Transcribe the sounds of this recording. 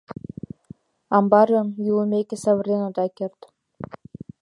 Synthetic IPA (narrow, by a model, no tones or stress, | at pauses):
ɑmbɑɾɤ̆mjulˠə̆mʲekʲĕsɑβɤ̆rʲenod̪ɑkert̪